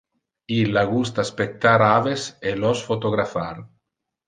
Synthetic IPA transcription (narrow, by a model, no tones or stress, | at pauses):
ilːaɡust̪aspek̚t̪aɾaveselosfot̪oɣɾafaɾ